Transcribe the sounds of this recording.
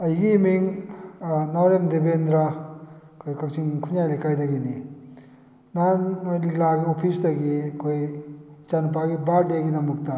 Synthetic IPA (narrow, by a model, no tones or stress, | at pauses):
ɐjɡimiŋ | nawɾemdebendɾa | kʰojkak̚t͡ʃiŋkʰunjajlajkajdɐɡini | nanlaɡiopʰisdɐɡikʰojt͡ʃanpaɡibaɾdiaɡinamuk̚ta